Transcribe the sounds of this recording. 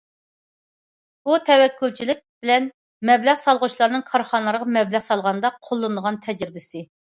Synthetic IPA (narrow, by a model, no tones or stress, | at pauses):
but̪ʰɛwɛkʲːylt͡ʃʰilɪk̚ʲb̥ɪlɛn | mɛblæʁsɑlˠʁʊt͡ʃlˠɑɾnɨŋkʰɑɾχɑnlˠɾəʁɑmɛblæʁsɑlˠʁɑnɨd̪ɑqʰolˠːɨnd̪əʁɑnt̪ʰɛd͡ʒɾɪbɪsɪ